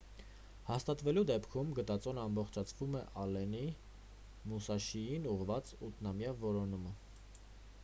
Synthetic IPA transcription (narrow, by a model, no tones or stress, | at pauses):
hɑst̪ɑt̪vɛlud̪ɛpkʰumɡət̪ɑt͡sɔnəɑmbɔχt͡ʃʰɑt͡sʰvumɛʔɑlɛni | musɑʃijinuʁvɑt͡sut̪ʰnɑmjɑvɔɾɔnumə